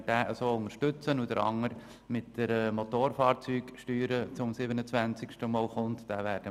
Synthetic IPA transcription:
d̥æːʔəsoːʊŋəɾʃtɵt͡sənud̪əɾɑ̰ŋːəɾ | mɪtd̥əɾəmot̪oːɾfɑːɾt͡syːɡ̥ʃtyːɾət͡sʊmsɪbənət͡sʋænt͡sɪkʃtəmɔːlχʊnt̪d̥æːʋæːd̥ə

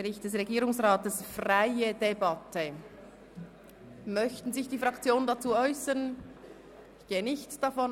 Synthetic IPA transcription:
ʁɪçt̚d̥ɛs̬ʁeɡiːɾʊŋsʁaːtəsfʁaɪədebɑtʰə | mœçtn̩zɪçd̥iːfʁɑkt͡sjoːnəndat͡suːɔʏsəʁn | ɪçɡ̥eːənɪçtd̥afɔn

